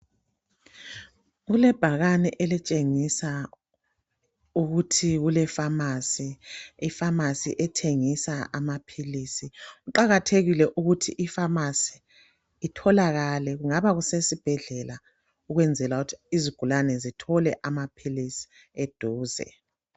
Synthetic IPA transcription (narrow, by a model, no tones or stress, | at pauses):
ɣulɛb̥ʱaɣanɛ̰ʔelit͡ʃʼeŋisa | uɣutʰiɣulɛfamasiifamasḭʔɛtʰeŋisaamapʰilisiuǃaɣatʰeɣilɛʔuɣutʰiʔifamasi̥ː | tʰɔlaɣalɛɣuŋaβaɣusesib̥ʱɛɮɛla | uɣwɛnd͡zʱɛlautʰiziɡ̥ʱulanɛzitʰɔlɛʔamapʰilisi̥ | ed̥ʱuːzɛ̰